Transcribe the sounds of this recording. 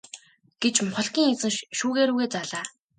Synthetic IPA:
ɡ̥et͡ɕmχɔɮkʲiːŋet͡sɘ̆ŋʃuːɣeːɾuːɣeːt͡saɮaː

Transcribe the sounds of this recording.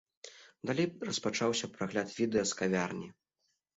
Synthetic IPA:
d̪alʲejrɐspat͡ʂawsʲɐpɾaɣlʲat̪vʲid̪ɛjɐskavʲarnʲi

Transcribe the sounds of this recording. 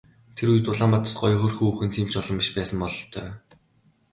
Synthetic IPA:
t̪ʰeɾuj̆t̪ʊɮaːmpat̪ə̥̆sɢɔj̆xɵrxuːuːxɘ̆nt̪ʰiːmt͡ɕɔɮə̆mpiʃpæːsə̆mpɔɮɞ̆ɬt̪ʰœː

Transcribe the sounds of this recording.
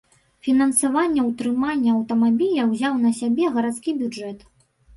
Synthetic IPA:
fʲinɐnsavanʲːɐwt̪ɾɨmanʲːɐɐwt̪ɐmabʲilʲɐwzʲawnɐsʲabʲɛɣɐɾat̪skʲibʲud͡ʐɛt̪

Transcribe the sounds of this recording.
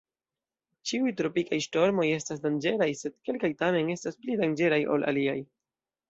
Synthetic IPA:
t͡ʃiujtɾo̞pikajʃto̞ɾmo̞je̞stasdand͡ʒe̞ɾajse̞d̚ke̞lkajtame̞ne̞stasplidand͡ʒe̞ɾajʔo̞̰lʔa̰liaj

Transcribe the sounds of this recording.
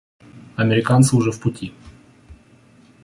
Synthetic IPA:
ɐmʲeɾʲɪkansɨʊʐɛfpʊtʲi

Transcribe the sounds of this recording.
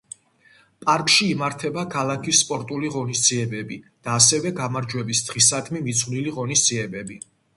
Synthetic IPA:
pʼaɾkʼʃiːmaɾt̪ʰɛbakʰalakʰisːpʼɔɾt̪ʼuliʁɔnisd̪ziɛbɛbid̪̥aːsɛvɛɡamaɾd͡ʒwɛbisd̪̥ʁisad̪mimit̪sʰχliliʁɔnisd̪z̥iɛbɛbi

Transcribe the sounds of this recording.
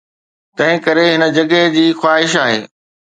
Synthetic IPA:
t̪ɐ̃ɦɪ̃kɐɾeɦɪnə̆d͡ʑɐɡed͡ʑiːxwaːɦɪʃaːɦḛː

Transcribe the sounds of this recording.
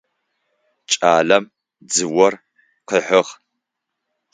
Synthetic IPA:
t͡ʃʼaːlɐm | d͡zɨwɔr | qəħəʁ

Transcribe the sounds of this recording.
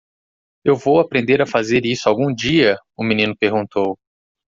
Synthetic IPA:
ewvowapɾẽnd̪eɾafazeɾisʊawɡũd͡ʒiɐ | ʊmĩnĩnʊpeɾɡũnt̪ow

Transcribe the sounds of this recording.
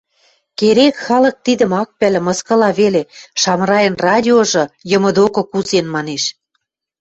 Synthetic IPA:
keɾekxɑlɤ̆k̚t̪id̪ə̆mɑk̚pæl̆mɤ̆skɤ̆lɑβeleʃɑmrɑjə̆nrɑdʲioʒɤ̆jɤ̆mɤ̆d̪okɤ̆kuzenmɑneʃ

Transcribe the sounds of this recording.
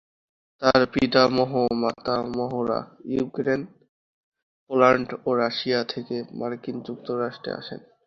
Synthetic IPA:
t̪aɾpit̪amɔɦomat̪amɔɦoɾa̰jukɾen | polaɳɖoɾaʃiat̪ʰekemaɾkind͡ʑuk̚t̪oɾaʃʈɾḛa̰ʃḛn

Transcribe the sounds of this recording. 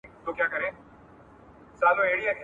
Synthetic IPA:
t̪oːkjaːkəɾẽː | saːnõːeːɽiakʰ

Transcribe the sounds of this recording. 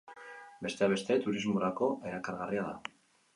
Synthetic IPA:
be̞st̪e̞aβ̞e̞st̪e̞t̪uɾizmoɾako̞e̞ɾakaɾɣariaða̰

